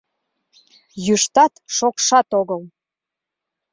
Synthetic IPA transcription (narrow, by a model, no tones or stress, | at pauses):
jyʃt̪ɑt̪ʃokʃɑt̪oɣəl